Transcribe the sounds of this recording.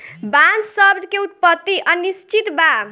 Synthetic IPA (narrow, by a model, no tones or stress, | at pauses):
bansʌbd̪keut̪̚pʌt̪ːiʔʌnist͡ʃit̪ba